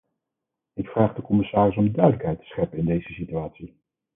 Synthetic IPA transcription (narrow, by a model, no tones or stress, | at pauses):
ɪkfraːχdəkɔmɪsaːrɪs̬ɔmdœɥdələkɦɛjtə̥sχɛpəɪndejz̥əsityaːtsi